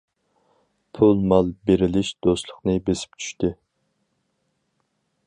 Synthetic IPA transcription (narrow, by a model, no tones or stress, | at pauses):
pʰulˠmɑlˠbeɾɪlɪʃd̪̥ost̪lˠʊqnɨbesɪ̥p̚t͡ʃʰy̥ʃt̪ɪ